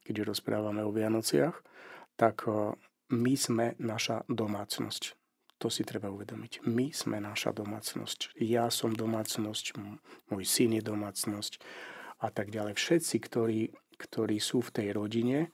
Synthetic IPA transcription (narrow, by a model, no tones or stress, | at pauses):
kɛɟʒɛɾɔspɾa̰ːʋamɛɔʋɪanɔt͡sɪaxt̪ak | mizmɛnaʃad̪ɔmaːt͡snɔ̰sc | t̪ɔsit̪ɾɛbauʋɛd̪ɔmicmiz̥mɛnaʃa̰d̪ɔma̰ːt͡snɔ̰scjasɔmd̪ɔmaːt͡snɔscmɔjsinjɛd̪ɔmaːt͡snɔscat̪aɡɟalɛjfʃɛt̪t͡sikt̪ɔɾiːkt̪ʰɔɾiːsuːft̪ɛjɾɔɟiɲɛ